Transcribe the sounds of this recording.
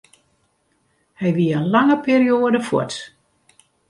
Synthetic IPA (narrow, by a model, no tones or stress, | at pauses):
hɛjʋiəənlaŋəpiːrioːədəfɔ̰t